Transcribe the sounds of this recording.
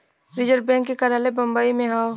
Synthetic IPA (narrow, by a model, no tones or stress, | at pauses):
ɾɪd͡ʒəɾbɛ̃ːŋkːekɐɾaːlebɐ̃mbaːimẽɦao